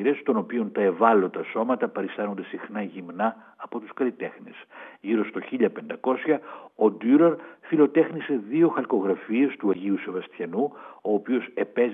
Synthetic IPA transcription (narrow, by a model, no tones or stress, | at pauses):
ɾe̞st̪o̞no̞pio̞nt̪ɐe̞vɐlo̞t̪ɐso̞mɐt̪ɐpɐɾist̪ɐno̞nd̪e̞sixnɐʝimnɐː | po̞t̪uskɐlit̪e̞xnisʝiɾo̞st̪o̞çiʎɐpe̞nd̪ɐko̞sçɐod̪yɾɐɾfilo̞t̪e̞xnise̞ðio̞xɐlko̞ɣɾɐfie̞st̪uɐʝiuse̞vɐst̪çɐnuo̞ːpio̞se̞pe̞z